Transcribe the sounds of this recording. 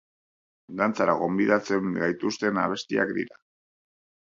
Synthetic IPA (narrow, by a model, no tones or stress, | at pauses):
d̪ant͡saɾaɣo̞mbiðat͡se̞ŋɡajt̪ust̪e̞na̰βe̞st̪ia̰kd̪ḭɾa